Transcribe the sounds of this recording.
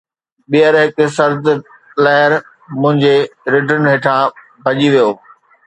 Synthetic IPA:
ɓijəɾɦɪksɐɾd̪ | lɐɦɪɾ | mʊ̃ɦɪ̃ɲd͡ʑeɾɪʈʰəɾnɦɪːʈʰã | bʱɐʄiʋijoː

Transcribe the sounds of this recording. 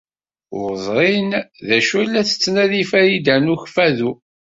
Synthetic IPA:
ʊɾzˤɾinðæʃulːæθə̥t͡sːnæðifæjid̪ænʊçfæðu

